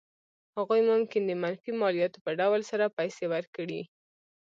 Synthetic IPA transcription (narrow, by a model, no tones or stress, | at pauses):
haɣujmʊmkɪnd̪əmanfimɑlijɑt̪opəɖawlsaɾapajsewaɾkəɽḭ